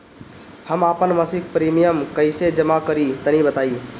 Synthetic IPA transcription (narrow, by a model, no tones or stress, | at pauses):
həmaːpənməsik̚pɾimijəmkəɪsed͡ʒəmakəɾit̪ənibət̪aːi